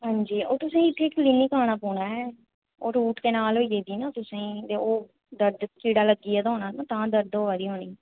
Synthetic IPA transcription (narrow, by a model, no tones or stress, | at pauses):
ɦãːɲd͡ʒiːoːɾt̪ʊsãːɪt̪ʰːeːkliːniːkaːɽ̃aːpuːɳaːɛː | oːɾuːʈkeːnaːlɦoːiːd͡ʒeːd̪iːnãːt̪ʊsãĩːt̪eːoː | d̪əɾd̪kiːɽaːləɡiːɛːd̪oːnaːnaːt̪ãːd̪əɾd̪oːʋaːd̪iːɦoːniː